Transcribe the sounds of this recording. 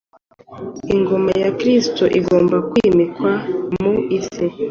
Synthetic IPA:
iŋɡo̞majakɾistoʔiɡo̞ːmbakwiːmikwamuise

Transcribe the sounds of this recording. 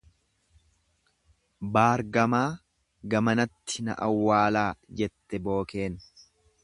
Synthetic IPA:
baːɾɡɐmaː | ɡɐmɐnɐt̪ːɪnɐ̰ʔɐwːaːlaːd͡ʒɛt̪ːɛbo̞ːke̞ːn

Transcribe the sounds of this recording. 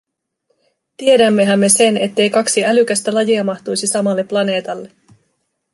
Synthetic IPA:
t̪ie̞dæmːe̞ɦæmːe̞se̞ne̞t̪ːe̞jkɑksiælyk̟æst̪ælɑjiɑmɑht̪ujsisɑmɑlːepːlɑne̞ːt̪ɑlːe̞

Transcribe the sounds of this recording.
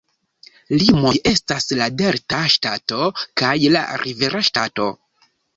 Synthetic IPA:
limoʔe̞staslade̞ɾtaʃtato̞kajla̰ɾʔive̞ɾaʃtato̞

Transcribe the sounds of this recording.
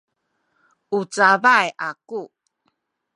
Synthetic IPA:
ut͡savajʔaku

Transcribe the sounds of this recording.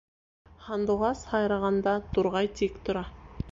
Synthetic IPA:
χɑnd̪oʁɑsχɑjɾɑʁɑnd̪ɑt̪ʰʊɾʁɑjt̪ʰekt̪ʰʊɾɑ

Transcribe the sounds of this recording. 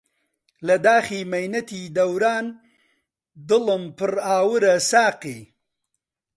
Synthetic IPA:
lɐd̪aːximɐjnɐt̪id̪ɐwɾaːn | d̪ɨləmpɨɾaːwɨɾɐsaːqi

